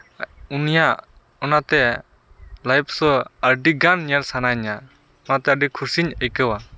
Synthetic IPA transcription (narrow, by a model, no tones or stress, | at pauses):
unija | ɔnat̪ɛ | lajp̚ʰsɔəɾɖiɡanɲəɾsanajɲa | ɔnat̪ɛəɖikʰuɾsiɲəjkəwa